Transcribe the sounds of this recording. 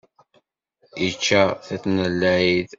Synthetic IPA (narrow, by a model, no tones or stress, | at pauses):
jət͡ʃːæθæθnəlːæið